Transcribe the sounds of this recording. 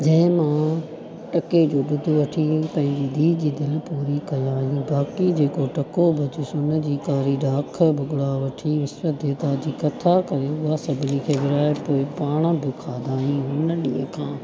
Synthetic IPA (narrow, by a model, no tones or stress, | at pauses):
d͡ʑɐ̃ɦɪ̃mã | ʈɐked͡ʑoːɗʊd̪ʱoʋɐʈʰĩpɐ̃ɦɪ̃ɲd͡ʑiːd̪ʱiːd͡ʑiːd̪ɪlpuːɾikɐjaːɦijũbaːkid͡ʑeːkoʈɐkobʱɐd̪usʊnə̆d͡ʑiːkaːɾiɖaːkʰbʊɡʊɽaʋɐʈʰiʋɪsʋəd̪ʱeːt̪ad͡ʑiːkɐt̪ʰakɐɾeɦʊasɐbʱɪnikʰeːʋɪɾaːepoːɪpaːɽ̃əbʱɪkʰaːd̪aːɦjũʊnəɗĩːə̃kʰãː